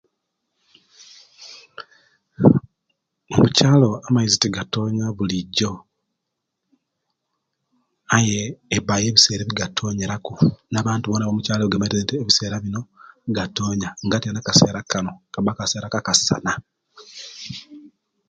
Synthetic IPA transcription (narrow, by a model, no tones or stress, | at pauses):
omucaːlo̞amaizitiɡato̞ːɲaβuliɟːo̞ | aje̞ːβaje̞ːβise̞ːɾeβiɡatʰo̞ːɲeɾakunaːβaːntuβonaβomucaːloβɡemeteentieβise̞ːɾaβino̞ɡato̞ːɲaŋɡatenakasḛːɾakano̞kaβakase̞ːɾakakasa̰na